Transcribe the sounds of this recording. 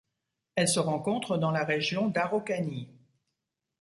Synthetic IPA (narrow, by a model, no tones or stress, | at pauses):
ɛlsəʁɑ̃kɔ̃t̪χəd̪ɑ̃laʁeʒjɔ̃d̪aʁokani